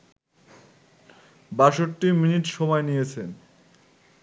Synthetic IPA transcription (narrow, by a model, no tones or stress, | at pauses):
baʃoʈːiminiʈʃɔmɔenijet͡ɕʰen